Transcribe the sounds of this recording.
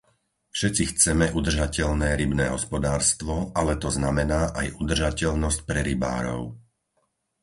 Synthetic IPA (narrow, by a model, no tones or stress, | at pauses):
fʃɛt͡sixt͡sɛmɛʔud̪r̩ʒacɛʎnɛːɾibnɛːɦɔspɔd̪aːɾst̪ʋɔalɛt̪ɔznamɛnaːʔajʔud̪r̩ʒacɛʎnɔsc̚pɾɛɾiba̰ːɾɔ̰ʊ